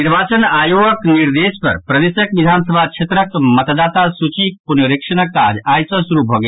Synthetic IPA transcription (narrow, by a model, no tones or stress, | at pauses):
niɾbat͡ʃənajoɡəkniɾd̪espə̰ɾpɾəd̪esəkʋid̪ʱansəbʱat͡ʃʰet̪ɾəkmət̪d̪at̪asut͡ʃipunjoɾikʂənəkːaɾajsə̃suɾubʱɔɡe